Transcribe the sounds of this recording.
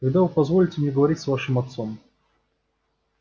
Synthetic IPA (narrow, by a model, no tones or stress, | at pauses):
kɐɡd̪avɨpɐzvolʲɪtʲɪmnʲɛɡəvɐɾʲitʲsvaʂɨmɐt̪som